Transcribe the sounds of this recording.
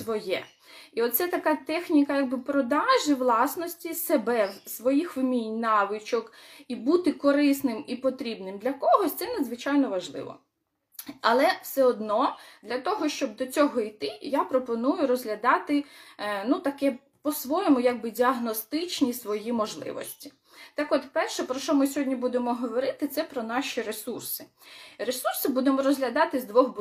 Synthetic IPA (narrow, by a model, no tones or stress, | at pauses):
sʋɔjɛ̰ | iɔt̪t̪sɛt̪ɐkat̪ɛxnʲikɐjaɡ̚bɪpɾɔd̪ɑʒɪʋlˠɑsnɔsʲtʲisebɛsʋɔjixʋɪmʲinʲnɑʋɪt͡ʃɔkibut̪ɪkɔɾɪsnɪmipɔt̪ɾʲibnɪmd̪lʲɐkɔɦɔsʲt̪sɛnɐd̪zʋɪt͡ʃajnɔʋɐʒlˠɪ̰ʋɔ̰ | ɐlˠɛwsɛɔd̪nɔd̪lʲɐt̪ɔɦɔʃt͡ʃɔb̚d̪ɔt͡sʲɔɦɔijt̪ɪjapɾɔpɔnujʊɾɔzɦlʲɐd̪ɑt̪ɪnut̪ɐkɛ | pɔsʋɔjɔmʊjɐɡ̚bɪdʲiɐɦnɔst̪ɪt͡ʃnʲisʋɔjimɔʒlˠɪ̰ʋɔ̰sʲtʲi̥ | t̪ɑkɔt̪pɛrʃɛpɾɔʃɔmɪsʲɦɔdʲnʲibud̪emɔɦɔʋɔɾɪt̪ɪt̪sɛpɾɔnɑʃʲiɾesursɪ | ɾesursɪbud̪emɔɾɔzɦlʲɐd̪ɑt̪ɪzd̪ʋɔxb